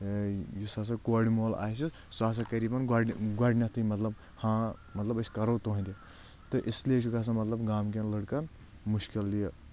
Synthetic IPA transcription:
jusas̬ɐkoːɽimoːla̰ːs̬i | saːs̬ɐkɐɾiːbɐnɡaɡwaɖʲnʲɐt̪ʰɨmɐt̪lɐb | hãːmɐt̪lɐbɐskɐɾot̪oːɦĩnd̪e | t̪ɨʔɪslieʃʰukas̬ɐmɐt̪lɐbɡaːmk̬ɐnləɽkɐn | mʊʃkilːijɐ

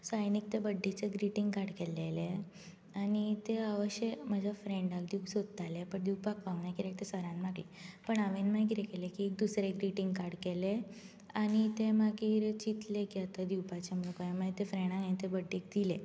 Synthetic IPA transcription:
sajnik̚t̪ebəɖːit͡seɡɾiʈĩŋɡkaɽkelele | anit̪eaʋəɕemad͡ʑʱafɾẽɳɖakd̪iwsod̪ət̪alepəɳd̪iwpakʋawnakiɾek̚t̪esəɾãnmaɡḭpəɳaʋenmak̬iɾekelekiek̚d̪usɾeɡɾiʈiŋɡkaɾɽkele | añit̪emakiːɾt͡ɕit̪lekiət̪ad̪iwpat͡ɕemənũkajamat̪efɾeɽ̃ãkaĩt̪ebəɖʱːek̚d̪ile

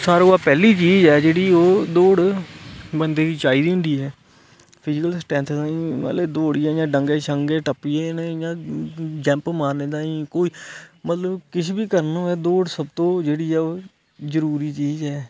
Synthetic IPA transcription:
saːɾoːaːpɛːliːt͡ʃiːzɛːd͡ʒeːɽiːoːd̪oːɽ | bənd̪eːkiːt͡ʃaːiːd̪iːɦʊ̃nd̪iːɛː | pʰɪd͡ʒɪkəlsʈɛ̃ːnt̪ʰd̪aːĩːə̰leːd̪oːɽiːɛ̃ːjãːɖəŋɡeːʃʰəŋɡeːʈəpːiːenejãːd͡ʒɛ̃ːmpmaːɾneːd̪aːĩːkoːiːmət̪ləbkɪʃʰbiːkəɾnõːɛːd̪oːɽsəb̚t̪õːd͡ʒeːɽiːɛːoː | zəɾuːɾiːt͡ʃiːzɛː

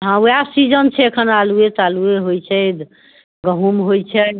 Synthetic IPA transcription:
ɦãwasid͡ʒənt͡ʃʰɛːkʰənaluet̪alueɦojt͡ʃʰɛd̪ | ɡəɦumɦojt͡ʃʰɛ

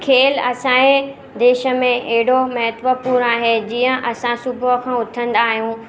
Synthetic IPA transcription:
kʰeːlɐsãːe | d̪eːʃə̆mẽeɦɪɽomɐɦət̪ʋəpuːɾaːɦed͡ʑiːə̃ʔɐsãsʊbʱkʰãːʊt̪ʰə̃nd̪aːɦijũ

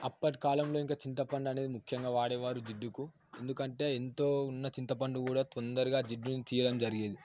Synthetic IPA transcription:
ɐpːɐʈikaːlɐmlo̞ːiŋkaːt͡ʃint̪ɐpɐɳɖɐneːd̪imukʰjɐŋɡaːʋaːɽɛːʋaːɾud͡ʒiɖːuku | e̞nd̪ukɐɳʈe̞ːent̪o̞ːunːɐt͡ʃint̪ɐpɐɳɖukuːɽaːt̪ond̪ɐɾuɡaːd͡ʒiɖːunit̪iːjɐɽɐmd͡ʒɐɾiɡeːd̪i

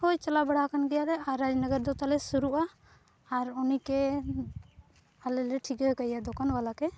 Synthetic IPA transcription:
hojt͡ʃalabɛɽakanɡɛjalɛaɾad͡ʒnəɡəɾd̪ɔt̪alɛsuɾuʔaː | ɾunikɛ | alɛlɛʈʰikakajad̪ɔkanbalakɛ

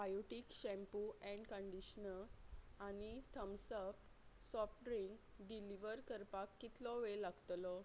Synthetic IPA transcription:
bajoʈikɕɛ̃mpuɛ̃ɳɖkəɳɖiɕnəanit̪ʰəmsəp | sɔfʈɾiŋkɖiliʋəɾkəɾpakːit̪ʰlɔʋelaɡt̪lɔ

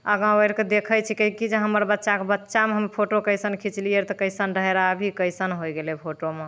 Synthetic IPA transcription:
əɡãojɾked̪ekʰəjt͡ʃʰikəikid͡ʒeɦəməɾbətːʃakebətːʃameɦəmpʰoʈokəjsənkʰit͡ʃliəɾt̪ɔkəɪsənɾəɦeɾabʱikəɪsənɦojɡelepʰoʈome

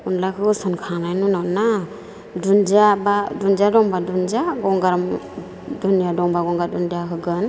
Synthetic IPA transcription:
unlakʰɯsɔnkʰanajnunana | dund͡ʒabadunzadɔŋbadund͡ʒaɡɔŋɡaɾm | dunijadɔŋbaɡɔŋɡadundaɦɯɡɯn

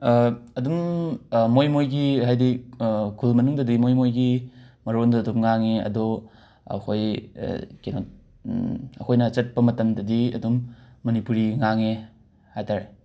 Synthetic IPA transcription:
ɐdummojmojɡiɦajdikʰulmɐnuŋdɐdimojmojɡimɐɾondɐːdupŋaŋeɐ̰dɔ | ɐ̰kʰoj̰ | kenot̚ | ɐ̰kʰojnɐt͡ʃɐt̚pɐmɐtɐmdɐdiɐ̰dumːɐnipuɾiŋaŋe | hajtʰaɾe

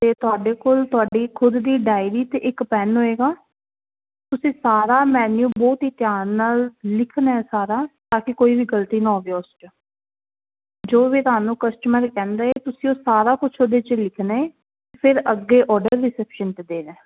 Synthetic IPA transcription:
t̪eːt̪ʊaːɖeːkoːlt̪ʊaːɖiːkʰʊd̪ːiːɖaːɪɾiːt̪eːʔɪkpɛːnɦoːeːɡaː | t̪ʊsĩːsaːɾaːmɛːnjuːbɔːt̪ɦiːt̪ɪjaːnːaːllɪkʰnaɛːsaːɾaːt̪ãːkɪkoːiːbiːɡəlt̪iːnaːoːɡeːʊst͡ʃə | d͡ʒoːʋiːt̪ʊɦaːnũːkəsʈməɾkɛ̃ːnd̪aːet̪ʊsĩːoːsaːɾaːkʊt͡ʃʰoːd̪eːt͡ʃlɪkʰnaːeː | epʰɪɾəɡːeːʔɔːɾɖəɾːɪsɛːpʃənt̪eːd̪eːnɛ̃ː

